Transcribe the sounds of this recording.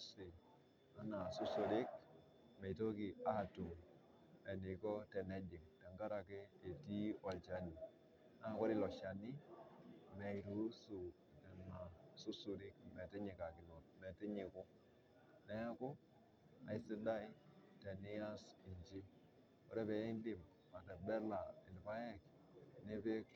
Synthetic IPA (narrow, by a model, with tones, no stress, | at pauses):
si˨ | a˦na˨su˦su˨ɾi˦k̚ | me˨to˦ki˨a˦tu˨m | e˨ni˨kɔ˦te˨ne˨d͡ʒi˨ŋte˨ŋɡa˦ɾa˨ke˦e˨ti˦o˨lt͡ʃa˨˦ni˨ | na˦˨ko˦ɾi˦lo˨ʃa˨ni˦ | me˨i˨ɾu˦su˨ | te˨ma˨su˦su˨ɾi˦kmɛ˨ti˦ɲi˨ka˨kɪ˨no˨t̚mɛ˨ti˦ɲi˨kʊ˦ | ne˦ja˦ko˦ | a̰˨i˦si˦da˦i˦te˨ni˦a˦si˨ɲd͡ʒi˦ | wo̰˨˦ɾe˦βe˨i˦n˦di˨m | a˨te˨bɛ˦ɾla˨i˨lpa˦je˦k | ne˦pe˦k